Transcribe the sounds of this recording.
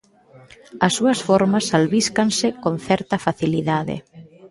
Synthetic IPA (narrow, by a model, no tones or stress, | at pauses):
ɐsːuɐsfoɾmasalβiskansɪkonθɛɾt̪ɐfaθiliðaðḛ